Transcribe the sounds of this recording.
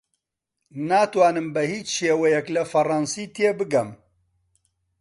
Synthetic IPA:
naːt̪waːnɨmbɐhiːt͡ʃʃeːwɐjɛklɐfɐrɑːnsiːt̪ʰeːbɨɡɐm

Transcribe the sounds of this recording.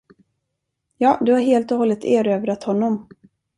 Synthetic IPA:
jɑːd̪ɵhaɾɦeːlt̪ɔhɔlːət̪ʰeːɾøːvɾat̪hɔnːɔm

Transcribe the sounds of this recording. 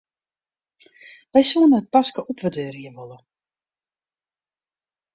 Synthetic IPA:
ʋɛjsuənəət̚paskəʔɔpʋədøːɾjəʋɔlə

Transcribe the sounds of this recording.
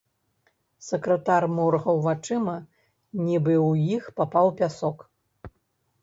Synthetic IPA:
sɛkɾɐt̪armɔrɣɐwvat͡ʂɨmɐ | nʲibɨwjixpapawpʲasɔk

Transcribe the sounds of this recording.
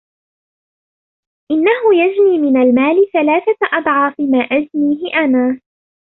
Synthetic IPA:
ʔɪnːaɦʊjad͡ʒniːmɪnalmaːlɪθalaːθat̪ʔɑd̪ˤʕɑːfɪmaːʔad͡ʒniːɦɪʔanaː

